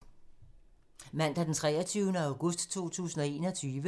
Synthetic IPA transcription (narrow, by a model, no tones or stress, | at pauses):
mæn̰d̥æd̥ent͡sʰʁɛ̰ːɐt͡sʰyːʊnəɑ̈ʊɡ̥ɔ̽sd̥t͡sʰo̝̰ːt͡sʰṵːsn̩ɒ̽e̝ːnɒ̽t͡sʰyːʋə